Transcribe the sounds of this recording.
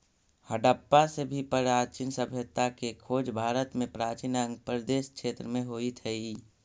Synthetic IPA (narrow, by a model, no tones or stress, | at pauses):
həɖəpːasebʱipəɾaːt͡ʃinsəbʱjət̪akekʰoːd͡ʒbʱaːɾət̪mẽpɾaːt͡ʃinə̃ŋɡpəɾd̪eːʃkʃeːt̪ɾəmẽɦoːit̪ʰɛi